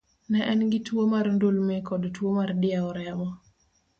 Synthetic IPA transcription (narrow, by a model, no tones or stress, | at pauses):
nɛʔɛnɡɪtwomarndolmekɔdtwomardɪaɔɾɛmɔ